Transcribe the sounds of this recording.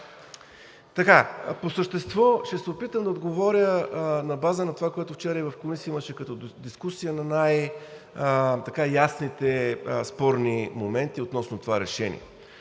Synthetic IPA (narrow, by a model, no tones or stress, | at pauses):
t̪ɐkaposəʃt̪ɛst̪vɔʃt̪ɛsɛopit̪əmd̪ɐod̪ɡovɔɾʲjənɐbazənɐt̪ovakoɛt̪ʊft͡ʃɛɾəivɐfkomisəiməʃɛkɐt̪ɔd̪iskusijənɐnaj | t̪ɐkajasnit̪ɛspɔɾnimomɛnt̪iot̪nɔsnʊt̪ovaɾɛʃɛnḭɛ̰